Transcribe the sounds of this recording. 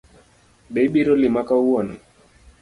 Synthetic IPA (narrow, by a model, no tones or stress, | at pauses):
ɗeɓiɾɔlimakauana